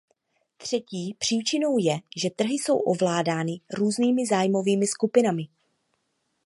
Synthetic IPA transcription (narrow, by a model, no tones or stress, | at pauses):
t̪r̝̥ɛciːpr̝̥iːt͡ʃɪno̞wjɛʒɛt̪r̩ɦɪso̞̰wʔo̞vlaːdaːnɪɾuːzniːmɪzaːjmo̞viːmɪskupɪnamɪ